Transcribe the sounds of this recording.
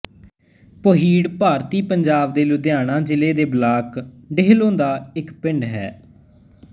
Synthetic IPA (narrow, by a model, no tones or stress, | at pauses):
poːɦiːɽpaːɾt̪iːpəɲd͡ʒaːb̚d̪eːlʊd̪jaːnãːd͡ʒɪleːd̪eːblaːkɖeɦlõːnd̪aːɪkpɪ̃ɳɖɦɛ̰ː